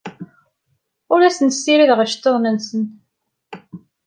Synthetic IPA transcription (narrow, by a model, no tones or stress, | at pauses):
ʊɾæsənsːiɾiðʁəʃt̪ːoðˤnənsən